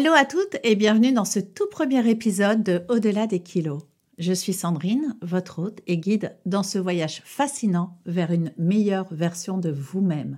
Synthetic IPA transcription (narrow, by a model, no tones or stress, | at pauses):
aloat̪ut̪ebjɛ̃vənyd̪ɑ̃sət̪upχəmjɛʁepizɔd̪ːəod̪əlad̪ekʲʰilo | ʒəsɥisɑ̃d̪ʁinvɔt̪χot̪eɡʲid̪ːɑ̃səvwajaʒfasinɑ̃vɛʁynmejœʁvɛʁsjɔ̃d̪əvumɛm